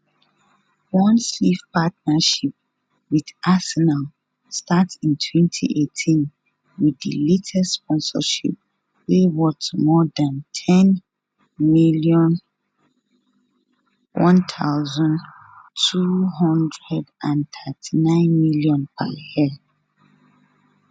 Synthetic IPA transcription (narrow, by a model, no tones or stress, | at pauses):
wɔ̃nsifpat̚naʃip̚ | wið̥ʔasɛnal | statsĩntʰwɛ̃ntʰḭʔetʰĩn | wiðḭletʰɛsspʰɔ̃nsə̰ʃḭp̚ | wewɔtmɔdãntʰɛ̃n | miljɔ̃n | wʔɔ̃ntʰaʊzɔ̃n | tʰuɦɔ̃ndɹɛdãntʰɜtʰinãɪ̃nmiljɔ̃npʰa̰hɛl